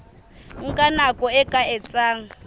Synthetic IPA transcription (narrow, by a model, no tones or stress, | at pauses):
ŋ̩kʼanakʼɔɛkʼaɛt͡sʼaːŋ̩